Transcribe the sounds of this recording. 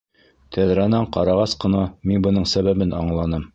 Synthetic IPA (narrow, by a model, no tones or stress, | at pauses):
t̪ʰæðɾænæɴqɑ̰ɾɑʁɑsqɤ̆nɑminbɤ̆nɤɴsæβæbɘnɑ̰ɴlˠɑnɤm